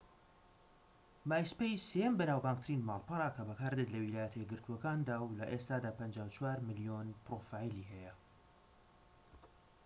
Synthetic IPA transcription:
maːjspejsejɛmbɐnaːwbaːŋk̚t̪ɨɾinmaːlˠpɨɾˤaːkʰɐbɐkʰaːɾd̪et̪lɐwilaːjɛt̪ʰɐjɡɨɾt̪ʰuɔkaːnd̪aːwlɐʔest̪aːd̪aːpɐnd͡ʒaːwt͡ʃʰwaːɾmɨlijonpɾofaːiliːhɛjɐ

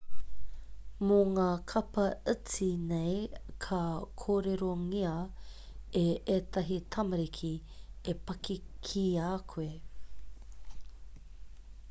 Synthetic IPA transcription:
moŋaːkʰɐpɐət͡sinejkʰɐkʰoːɾeɾoŋiɐ | eʔetɐɦitʰɐmɐɾikʰi | epɐkikʰiaːkʰue

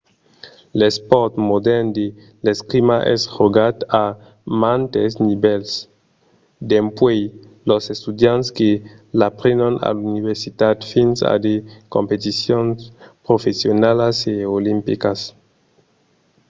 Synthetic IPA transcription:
lespɔɾt̪mod̪ɛɾnd̪e | leskɾimaʔɛ̰sʁoɡat̪a | mant̪esnibɛls | d̪empwej | losest̪ud̪janske | lapɾenana̰luniβeɾsit̪at̪finsa̰d̪ekompet̪isjonspɾofesjonalaseolimpikas

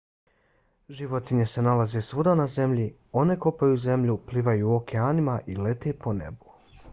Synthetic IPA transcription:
ʒiʋot̪iɲe̞se̞nalazesʋud̪anaze̞mʎi | o̞ne̞ko̞pajuze̞mʎupliʋajuːokʰeanimaʔile̞t̪e̞ːpo̞ne̞̰bu̥

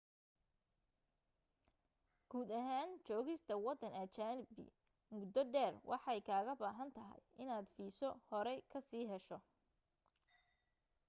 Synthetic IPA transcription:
ɡ̥uːd̪ɐɦaːnt͡ʃɔːɣɪst̪ʰɐwɑd̪ɐnɐt͡ʃaːnbɪ̰ | mʊd̪ɔɖɛːrwʔɑ̰ħɑɛjkʰaːɣɐbaːɦɐnt̪ʰɐɦɐ̰jɪnaːd̪fiːsɔhɔɾɛkʰɐsiːɦɛʃɔ

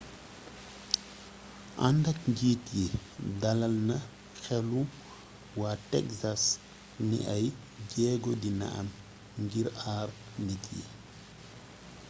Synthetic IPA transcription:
ʔandɐk̚ɲɟiːtjidɐlɐlnɐ | xɛlu | waːtɛksas | nḭʔɐj | ɟɛːɡɔdinɐ̰ʔɐ̰m | ŋɡiɾaːr | nitjḭ

